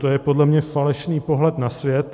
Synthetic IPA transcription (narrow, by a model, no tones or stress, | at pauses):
t̪ojɛpo̞dlɛmɲɛfalɛʃniːpo̞ɦlɛt̪nasvjɛt̪